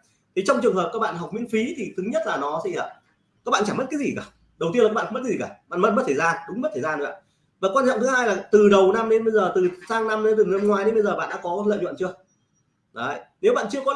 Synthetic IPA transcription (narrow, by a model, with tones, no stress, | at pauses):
t̪ʰi˨˦t͡ɕɔ˧wŋ͡mt͡ɕɨ˨˩əŋhə˨˩p̚kaː˦˥k̚ɓa̰ː˧˨nɦɔ˨˩wk͡p̚mwḭ˧ənfi˨˦t̪ʰi˨˩t̪ʰɨ˨˦ɲə˦˥t̚laː˨˩nɔ˨˦sɛ̰˧˥əː˨˩ | kaː˦˥k̚ɓa̰ː˧˨t͡ɕaː˧˩mə˦˥t̚kaː˨˦zi˨˩kaː˧˩ | ɗə˨˩wt̪i˧əlkaː˦˥ɓ̰aː˧˨˧kːzi˨˩aː˧˩ɓa̰ː˧˨mə˦˥t̚mə˦t̪ʰːzaː˧nɗʊ˨˦ŋ͡mmə˦˥t̪ʰəː˧˨˩zaː˧n˨˦a̰ː˧˨˩ | vaː˨˩kwaː˧nt͡ɕɔ̰˧˨ŋ͡mt̪ɨ˨˦haː˧jlaː˨˩t̪ɨ˨˩ɗə˨˩wna˧mɗe˨˦nɓə˧jzəː˨˩t̪ɨ˨˩saː˧ŋna˧mɗe˨˦t̪ɨ˨˩nə˧mŋwaː˧˩jɗe˨˦mɓə˧jzəː˨˩ɓa̰ː˧˨nɗ̰ːkɔ˨˦lə̰˧˨jwə̰˧˨nt͡ɕɨ˧ə | ɗə˨˦ne˨˦wɓa̰ː˧˨nt͡ɕɨ˧əkɔ˨˦